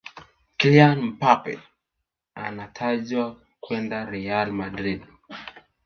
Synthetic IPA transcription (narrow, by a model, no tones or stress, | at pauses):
klianm̩papɛ̰ | a̰natʰaʄwa | kwɛndaɾɛjalmadɾid̚